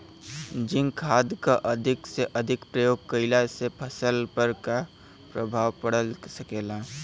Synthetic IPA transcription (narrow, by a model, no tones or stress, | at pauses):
d͡ʒɪ̃ŋkʰaːd̪kaʔəd̪ʱɪkseʔəd̪ʱɪkpɾəjoːɡ̚kəɪlasepʰəsəlpəɾka | pɾəbʱaːwpəɽəlsəkeːla